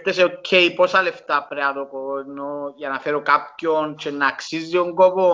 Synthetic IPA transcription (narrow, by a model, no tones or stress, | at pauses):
t̪eseocʰːeiposɐle̞ft̪ɐpɾeɐt̪okooenoʝɐnɐfeɾokapçont͡ʃenːɐːksizːioŋɡoko